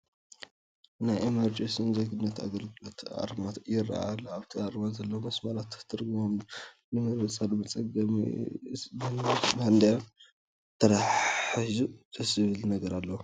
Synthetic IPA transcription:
najemɐɾd͡ʒensinzeɡɨnːɐt̪a̰ɡɐlɡɨlo̞t̪ʰa̰ɾmat̪jɪra̰aluaβt̪ʰiaɾmanzɐlːɐwomɐsmalat̪ːt̪ʰɨɾɡɨmom | nɨmɨɾɨt͡sʼalmɐt͡sʼɐɡɐmḭmɨnmand̪aja | t̪ʰɐɾaħħizuzɐzɨβɨlnɐɡɐɾalːɐwu

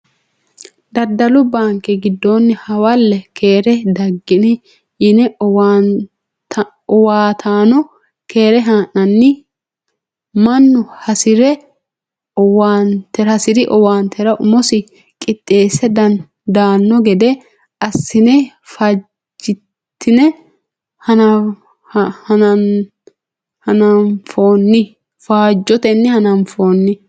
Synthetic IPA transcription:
d̪ɐd̪ːɐlʊbaːŋkɛɡɪd̪ːoːnːɛhɐwɐlːɛkʰeːɾɛd̪ɐɡːɪnɛ | ɪnɛ | ɔwaːt̪ʰaːnɔ | ke̞ːɾɛɦaːnːɐnːɪ | mɐnːʊhɐsɪɾɛ | waːnt̪ɛɾhɐsɪɾɪʔɔwaːnt̪ʰɛɾɐʔʊmɔsɪ | kʼɪt̪ʼːe̞ːsɛd̪ɐn | d̪aːnːɔɡɛd̪ɛ | ɐsːɪnɛ | faː | d͡ʒɪ | t̪ʰːɪnɛ | hɐnɐ | hɐnɐ | hɐnɐnfo̞ːnːɪ | faːd͡ʒːɔt̪ɛnːɪhɐnɐnfoːnːɪ

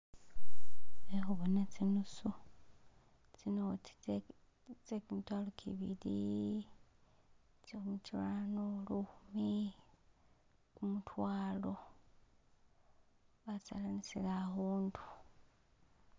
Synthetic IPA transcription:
exuβonet͡sinusu | t͡sinoi̥ | t͡sekumitwaːlokʰḭβḭli | t͡siumut͡ʃilanoluxumi | kumutʰwaːlo̞ | βat͡sa̰lanisilaɣuːndu̥

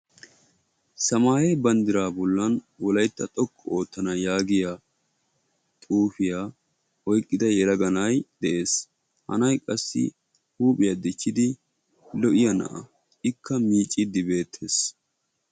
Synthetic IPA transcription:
sɐmaːjebɐnd̪ɪɾaːbɔlːɐn | wɔlɐjt̪ːɐt̪ʼɔkʼːɔo̞ːt̪ːɐnɐjaːɡɪja | t̪ʼuːfɪjaː | ɔjkʼːɪd̪ɐjɛɾɐɡɐnɐjd̪̥ɛʔe̞ːs | hɐ̰nɐjkʼɐsːɪ̰ | huːpʼɪjad̪ɪt͡ʃːɪd̪ɪ | lɔʔɪjɐnɐ̰ʔɐ̰ | ɪkʰːɐmiːt͡ʃʼːɪd̪ɪbe̞ːt̪ʰːe̞ːs

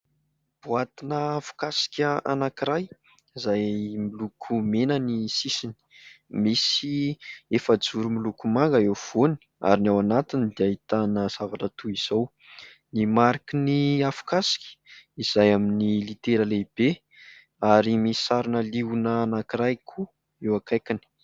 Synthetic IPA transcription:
b̥uat̪inəafu̥kasi̥kʲaʔa̰nakiɾaj | izajmilukʰumenənisisini̥misiefəd͡zuɾumilukumaŋɡəewv̥oni̥ | a̰ɾinawanat̪inid̪eaɦit̪anəz̥avaʈ͡ʂət̪uiz̥aw | nimaɾikiniafu̥kasi̥kʲi̥iz̥ajaminilit̪eɾəleb̥e | aɾimii̥saɾunəliunəːnakiɾajkʰu | ewakajkini̥

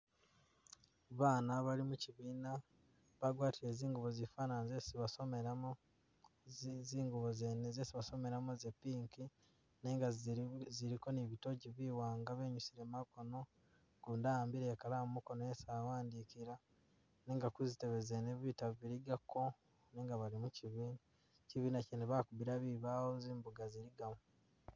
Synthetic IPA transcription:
βaːnaβaɾimuciβiːna | βaɡwaːtiɾe̞ziːŋɡuβo̞zifaːnanzesiβasomeɾamo | ziːŋɡuβozenezesiβaso̞me̞ɾamozepiːŋki | neːŋɡaziɾiko̞niβito̞ɟiβiːwaːŋɡaβe̞ːɲusiɾe̞maɡono̞ | ɡ̥uːndaambiɾekalaːmumukonojesaːwaːndikiɾa | neːŋɡakuzite̞βe̞zeneβitaβiɾiɡakʰo̞ | neːŋɡaβaɾimuciβiːna | ciβiːnacineβakubiɾaβiβaːhoziːmbuɡaziɾiɡamo

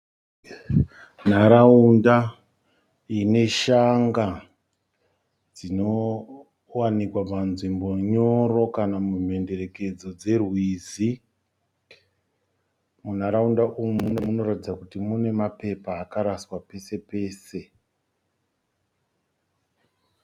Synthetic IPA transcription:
n̤aɾaunda | ine̞ʃaŋɡa | d͡zino̞ | wanikwapanʐimbo̞ɲo̞ro̞kanamum̤e̞nde̞re̞ke̞d͡zo̞d͡ze̞rwizi | mun̤aɾaundaʔumumunomuno̞ratid͡zakutimune̞mape̞paːkaɾaswape̞se̞pe̞ːse̞

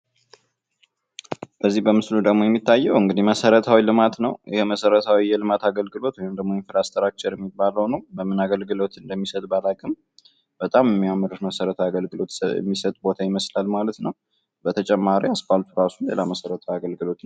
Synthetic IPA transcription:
b̥əzːihbəmɨslud̪əɡmo̞jɛmːit̪ːajːɛwɨŋɡɨd̪iməsəɾət̪ʰawilɨmat̪nəwjɪhməsəɾət̪ʰawijɛlɨmat̪ʰaɡəlɡɨlo̞t̪wɔjɪmd̪əɡmo̞jɛnfɨlast̪ʰəɾat͡ʃːɛɾɛmːibːaləwnəwbəmɨnaɡəlɡɨlo̞t̪ɨnd̪əmːisət̪ʼbalakʼɨm | b̥ət̪ʼamjɛmːiamːɨɾɨʃməsəɾət̪ʰaaɡəlɡɨlo̞t̪ɛ̰mːisət̪ʼbo̞t̪ʰajiməslalmalət̪nəw | bət̪ʰət͡ʃʼɛmːaɾiaskaalt̪ʰuɾasunlḛlaməsəɾət̪ʰawiaɡəlɡɨlo̞t̪

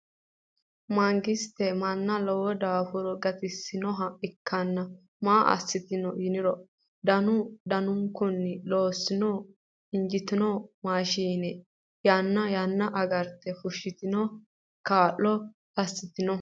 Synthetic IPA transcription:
mɐŋɡɪst̪ːɛmɐnːɐlɔwɔd̪aːfʊɾɔɡɐt̪ɪsːɪnɔɦɐɪkːɐnːɐ | maːʔɐ̰sːɪt̪ɪnɔjɪnɪɾɔ | d̪ɐnʊd̪ɐnʊŋkːʊnːɪlo̞ːsːɪnɔ | ɪnd͡ʒɪt̪ɪnɔmaːʃiːnɛ | janːɐjɐnːɐʔɐɡɐɾt̪ɛfʊʃɪt̪ɪnɔ | kaːʔːɔ | ɐsːɪt̪ɪnɔ

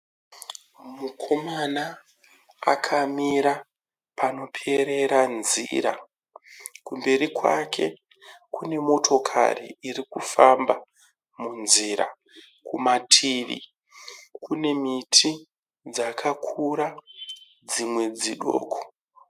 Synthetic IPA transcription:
mukʰo̞mana | a̰kʰamiɾa | pano̞pʰe̞ɾe̞ɾanziɾa̰ | kumbe̞rikwa̰kʰe̞ | kune̞mo̞tʰo̞kʰa̰rḭirikufamba | munziɾa̰ | kumatʰiːʋḭ | kune̞mitʰi | d͡zakʰakʰuɾa | d͡zimwe̞d͡ziɗo̰ːkʰo̥

